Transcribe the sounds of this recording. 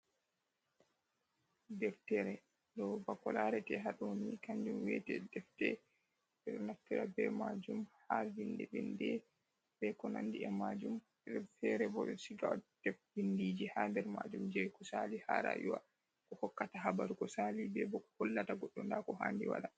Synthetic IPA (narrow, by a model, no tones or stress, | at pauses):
dɛftɛɾɛ | dɔbakɔlaɾɛtɛɦaɗonikaɲd͡ʒumwɛtɛdɛftɛ | bɛɗnaftiɾabɛmad͡ʒumhavindɛvindɛ | bɛkɔnandiɛmad͡ʒum | ɛtɛɾɛbɔɗɔsiɡawad̥ɛfvindid͡ʒihandɛɾmad͡ʒumd͡ʒɛkɔsaliha̰ɾa̰juwa̰ | kɔhɔkːataɦabaɾukɔsalibɛbɔkɔhɔlːataɡɔɗːɔndakɔhandiwa̰ɗa